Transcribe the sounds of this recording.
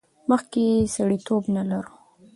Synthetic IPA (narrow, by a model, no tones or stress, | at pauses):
məxkesaɽit̪obnalaɾu